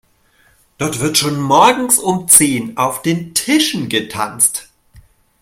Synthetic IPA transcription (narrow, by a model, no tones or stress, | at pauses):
d̥ɔɐtv̥ɪɐtʃoːnmɔɐɡŋ̩sʊmt͡seːnʔaʊfd̥eːntʰɪʃn̩ɡətʰa̰nst